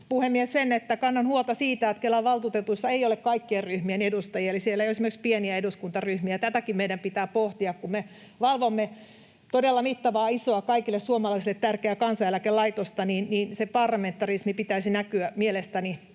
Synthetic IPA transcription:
puhemːiessenet̪ːækɑnːɑnhuolt̪ɑsiːt̪æːt̪kelːæʋɑlt̪uːt̪et̪uisːɑeijolekkɑikːierryhmienedust̪ɑjiɑelisielːæjoesimerkspieniæeduskunt̪ɑryhmiæt̪æt̪ækimmeidɾæmpit̪æːpoht̪iɑkkumme | ʋɑlʋomːe | t̪odelːɑmit̪ːɑʋɑːisˑoɑkɑikilːessuomɑlɑisilːet̪t̪ærkeækɑnsɑjælækelɑit̪ost̪ɑniːnniːnsepɑrlɑment̪ːɑrismipit̪æisinækyæmielest̪æni

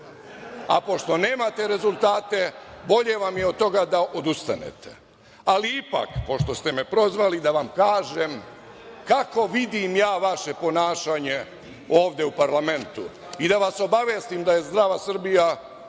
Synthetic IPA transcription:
a̰po̞ʃt̪o̞ne̞ːmat̪e̞ɾe̞zulˠt̪aːt̪e̞bo̞ʎe̞ʋamjeod̪̚t̪ːo̞ɡad̪aʔo̞d̪ust̪anḛt̪ʰe̥ | aliipa̰kpo̞ʃt̪o̞st̪e̞mepɾo̞zʋalid̪aʋamkaːʒe̞mkako̞ʋid̪imjaːʋaʃe̞po̞naːʃaɲe̞ | o̞ːʋd̪je̞upaɾlame̞nt̪ṵ | id̪aʋaso̞baʋje̞ːst̪imd̪aje̞zd̪ɾaːʋasr̩bija

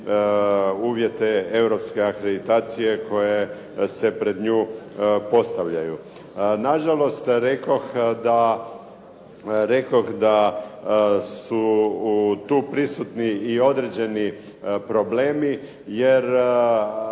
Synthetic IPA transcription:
uːʋje̞t̪e̞e̞ʋɾo̞pske̞akɾe̞d̪it̪aːt̪sije̞kʰo̞je̞ | se̞pɾe̞d̪ɲuːpo̞st̪aʋʎaju | naʒalo̞st̪ɾe̞koxd̪a | ɾe̞koxd̪a | su | t̪uːpɾisut̪niio̞d̪ɾed͡ʑe̞ni | pɾo̞bleːmi | je̞ɾ

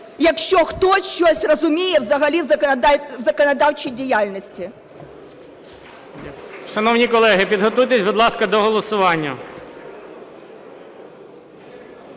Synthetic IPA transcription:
jɐkʃt͡ʃɔxt̪ɔsʲʃt͡ʃɔsʲrɐzʊmʲijɛwzɐɣɐlʲiwzwzɐkɐnɐd̪ɑwt͡ʃijdʲijalʲnɐsʲt͡sʲi | ʃɐnɔwnʲikɔlˠɛɦɪpʲid̪ɦɔt̪ujt̪esʲbɔd̪lˠɑskɐd̪ɔɦɔlˠɔsʊʋɑnʲːɐ

